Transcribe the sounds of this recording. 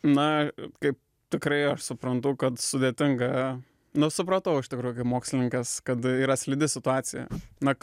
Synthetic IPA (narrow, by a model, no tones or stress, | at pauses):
nɐkɐɪp̚ | t̪ʲɪkɾɐɪɐʃsʊpɾɐnt̪ʊkɐt̪sʊd̪ʲeːt̪ʲɪŋɡɐ | nʊsʊpɾɐt̪ɐʊɪʃt̪ʲɪkɾuːjʊkɐɪpmoːksʲlʲɪnʲɪŋkɐskɐt̪iːɾɐsʲlʲɪd̪ʲɪsʲɪt̪ʊɑːt̪sʲɪjɛ̰nɐ